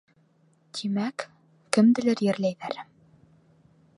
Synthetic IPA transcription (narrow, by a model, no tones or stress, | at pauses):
t̪ʰimækː | ɘ̆md̪ɘ̆lɘɾjɘ̆ɾlæjðæɾ